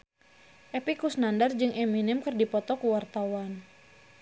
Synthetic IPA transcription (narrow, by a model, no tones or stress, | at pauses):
ʔɛpikusnandard͡ʒɨŋɛminɪmkɨrdipɔt̪ɔkuwart̪awan